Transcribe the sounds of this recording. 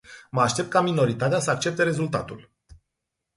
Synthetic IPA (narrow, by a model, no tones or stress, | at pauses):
məaʃt̪e̞pt̪kamino̞ɾit̪at̪easəak̚t͡ʃe̞p̚t̪e̞ɾe̞zult̪a̰t̪ul